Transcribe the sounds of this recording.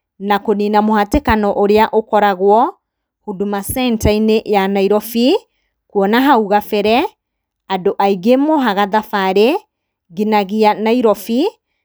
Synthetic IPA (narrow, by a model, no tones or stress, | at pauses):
nakoninamohatekanɔʔoɾeaʔokɔɾaɣwɔ | hudumasɛntainejanaiɾɔfi | kwɔnaɦauɣafɛɾɛ | adoʔaiɡemoɦaɣaðafaɾe | ɣinaɣianaiɾɔfi